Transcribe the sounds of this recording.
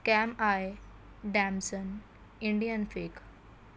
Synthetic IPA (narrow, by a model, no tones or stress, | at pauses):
kɛmae | ɖɛmsən | iɳɖijənfek